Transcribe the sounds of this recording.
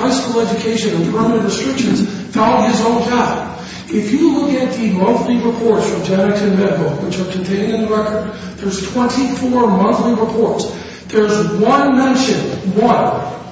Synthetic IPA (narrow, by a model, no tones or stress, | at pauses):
aɪskul̩ˠɛd͡ʒɨkʰeɪʃɨ̃nɨ̃nkʰɹ̥õmɨ̃nʔ̚ɹɨstɹ̥ɪkʃɨ̃nz̥ | falˠɪzõʊ̃nd͡ʒɑb̥ | ɪfjɨlʊkɨt̪̚ðɨmʌ̃nθliɹɨpʰɔɹtsfɹʌ̃md͡ʒænɨkʰɨ̃nmɛɾɨkl̩ˠwɨt͡ʃə˞kʰɨ̃n̩tʰẽɪ̃ñɨ̃nðəɹɛkə˞d̪̚ | ðə˞z̥tʰw̥ɛ̃ntifɔɹmʌ̃nθliɹəpʰɔɹts | ðə˞zwʌ̃nmɛ̃nʃɨ̃nwʌ̃n